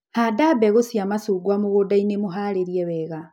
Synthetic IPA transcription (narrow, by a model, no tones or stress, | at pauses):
hadabɛɣosjamasuɡwamoɣodainemoɦaɾeɾiɛwɛːɣa